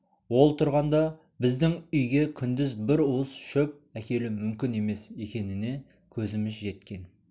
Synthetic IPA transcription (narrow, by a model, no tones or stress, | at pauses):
wo̞lˠt̪ʰʊɾʁɑnd̪ɑ | bɪzd̪ɪŋʏjɡʲe̞kʲʰʏnd̪ɪzbɪɾuəz̥ʃɵp̚ækʲe̞lɪmʏmkʲɪne̞me̞sje̞kʲe̞nɪne̞ | kʲʰɵzɪmɪzʒe̞t̪kʲe̞n